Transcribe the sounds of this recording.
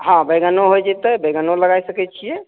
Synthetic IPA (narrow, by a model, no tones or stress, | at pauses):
ɦãbeɡənoɦojd͡ʒɛt̪əjbeɡənoləɡajsəkɛt͡ʃʰijɛ